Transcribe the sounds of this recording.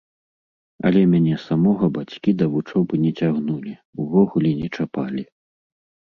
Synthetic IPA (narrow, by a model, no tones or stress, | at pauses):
ɐ̰lʲɛmʲanʲɛsamɔɣɐbat͡sʲkʲid̪ɐvut͡ʂɔwbɨnʲɛt͡sʲaɣnulʲiuvɔɣulʲɛnʲɛt͡ʂapalʲi